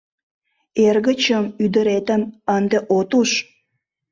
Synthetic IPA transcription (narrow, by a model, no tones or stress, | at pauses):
erɣət͡ɕəmyd̪əɾet̪ə̆mənd̪eʔot̪uʃ